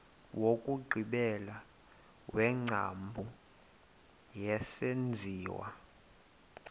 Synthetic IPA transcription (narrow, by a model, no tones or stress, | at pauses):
wʔokʼuɡ͡ǃʱiɓɛla | wɛŋ͡ǁʱa̰mbʱu | jɛsend͡zʱiːwa̰